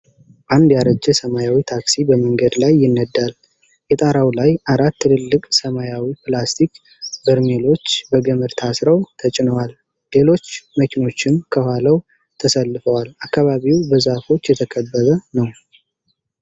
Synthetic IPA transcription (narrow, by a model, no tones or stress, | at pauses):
band̪jaɾəd͡ʒːɛsəmajawit̪ʰaksibəməŋɡəd̪lajːɪnːəd̪ːal | jɛt̪ʼaɾawlajʔaɾat̪ːɨlɨlːɨkʼsəmajawiplast̪ʰik | bɨɾmelo̞t͡ʃːbəɡəmɨɾt̪ʰasɾəwt̪ʰət͡ʃʼɪnəwalː | e̞lo̞t͡ʃːməkino̞t͡ʃːɪmkʰəhʷaləw | t̪ʰəsəlːɨfəwalakːaβaβiwbəzafo̞t͡ʃːjɛt̪ʰəkʰəbːəβənəw